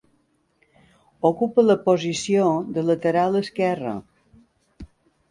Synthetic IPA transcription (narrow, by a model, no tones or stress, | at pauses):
okupələpozisioðələt̪əɾalˠəskɛrə̰